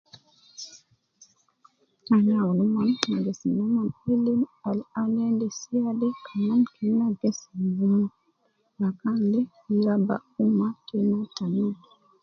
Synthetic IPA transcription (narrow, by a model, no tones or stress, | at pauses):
aɲawɔnɔmanmaɡɛsinɔmanilinalalɛndɛsiadɛkʰamankʰɛnːaɡɛsbuma | lakalɛ | laba̰umatɛnɔtani